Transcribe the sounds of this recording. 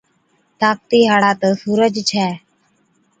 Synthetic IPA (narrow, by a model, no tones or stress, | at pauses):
t̪aːk̚t̪iːɦaːɽaːt̪əsuːɾəd͡ʒt͡ʃʰɛː